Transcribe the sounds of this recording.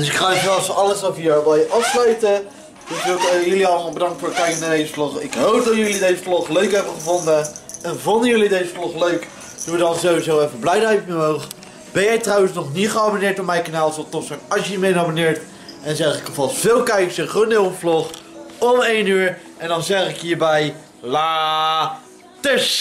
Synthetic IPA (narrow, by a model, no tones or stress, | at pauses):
d̥ɵsɪkχaχɛɑsəɑləsɔfəʋɛjəʔɑfslaɥtə | d̥səjəliɑlˠəmɑlˠbədɑŋktfʊːɹ̚kɛjkənaːɹdejzəflɔχɪkɦowp̚dɑtjɵlidejzəflɔχløɥkɦɛbəχəvɔndəɛnvʊndəjɵlidejzəflɔχløɥk | d̥uʋədɑnzowizowɛfəblɛjdəjpmɛowχ | b̥ɛnjɛjtrɑwənsnɔχnitχəabonɪːɹtɔpmɛjkanaːlˠsotɔtsonɑʃəmenabonɪːɹt | ɛnzɛχɪkəvɑlˠsfɪːlˠkɛjksəχunɪwflɔχɔmejnyːɹ | ɛndɑnzɛχɪkɦiːɹbɛj | laː | təs